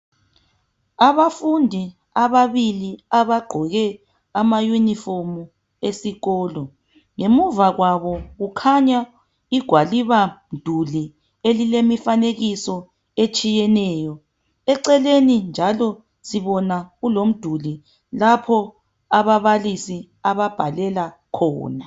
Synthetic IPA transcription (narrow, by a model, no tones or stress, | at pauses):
aβafundʱi | aβaβiliaβaɡ͡ǃʱɔɣɛ | amajuniformu | esiɣɔːlɔ | ŋemuvaɣwaβɔɣukʰaɲa | iɡ̥ʱwaliβam̩d̥ʱuli | elilemifaneɣisɔ | et͡ʃʼijɛnɛːjɔ | ɛǀɛlenind͡ʒʱalɔ | siβɔnaɣulom̩d̥ʱuli | lapʰɔ | aβaβalisi | aβab̥ʱalɛla | kʰɔ̰ːna